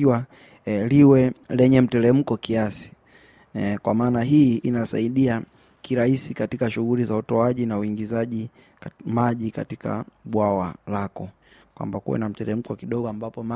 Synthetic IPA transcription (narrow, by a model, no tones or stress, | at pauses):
iwa | liwɛlɛɲɛm̩tɛlɛm̩kɔkiasi̥ | kwamaːnaɦiinasaiɗia | kiɾahisikatikaʃuɣulizautɔaʄinauiŋɡizaʄi | maʄika̰tika̰ɓwawalakɔ | kwa̰mbakuwɛ̰nam̩tɛlɛm̩kɔkiɗɔɠɔambapɔma